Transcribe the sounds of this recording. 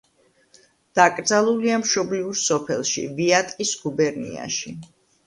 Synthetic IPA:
d̪̥akʼɾd̪zalˠuliamʃɔbliuɾsɔpʰɛ̰lˠʃḭviat̪ʼkʼisɡubɛɾnḭa̰ʃi

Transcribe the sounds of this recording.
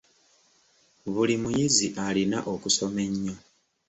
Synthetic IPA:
βulimujiziʔalina̰ʔo̞kuso̞me̞ɲːo̞

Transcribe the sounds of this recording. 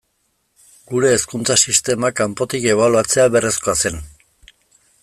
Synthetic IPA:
ɡuɾe̞ːskunt͡sasist̪e̞makampo̞t̪ike̞β̞aluat͡se̞aβe̞re̞sko̞ase̞n

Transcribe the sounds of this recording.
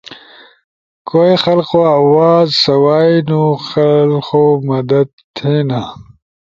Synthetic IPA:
koːjxɐlqoawaːzsɐwaːjnuxɐlqomɐd̪ɐd̪̚ | t̪ʰeːna

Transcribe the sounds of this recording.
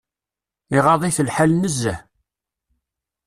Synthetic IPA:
iʁɑðˤiθəlħalnəzːæ

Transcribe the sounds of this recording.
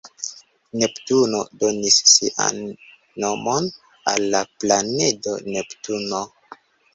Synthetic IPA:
ne̞ptuno̞do̞nisːiʔa̰nː | o̞mo̞n | a̰lːaplane̞do̞̰ne̞ptuno

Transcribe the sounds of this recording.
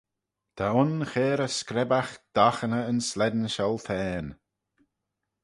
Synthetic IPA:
t̪ʰaʊnxeːɾəskɾɛbaxd̪̥axənəənslɛd̪nʃɔlˠtʰɛːn

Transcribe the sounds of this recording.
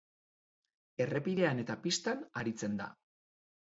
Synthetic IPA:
e̞re̞piðe̞ane̞t̪apist̪anaɾit͡se̞nd̪a̰

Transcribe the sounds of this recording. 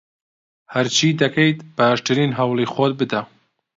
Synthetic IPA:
hɐɾt͡ʃʰiːd̪ɐkʰejt̪b̥aʃt̪ɨɾiːnɦɐwlˠixɔd̪̚bɨd̪ɐ

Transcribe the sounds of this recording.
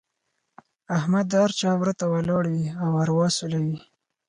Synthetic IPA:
ahmad̪aaɾt͡ʃɑwɾət̪awalɑɽwiawaɾwɑsulawi

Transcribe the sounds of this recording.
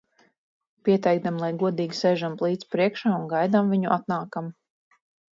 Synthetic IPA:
piɛt̪ɛjɡ̚d̪amlˠajɡuɔd̪iːɡʲisɛjʒamplˠiːt̪spɾiɛkʃaːunɡajd̪amviɲuʔat̪naːkam

